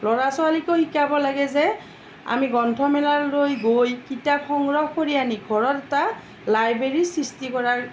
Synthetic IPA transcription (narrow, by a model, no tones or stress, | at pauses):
lɔɹasɔalikohikabɔlaɡɛzɛ | a̰miɡɔntʰɔmɛlallojɡojkitapxɔŋɡɹɔhkoɹianiɡʱɔɹɔtɛta | lajbɹeɹisɹistikɔɹaɹ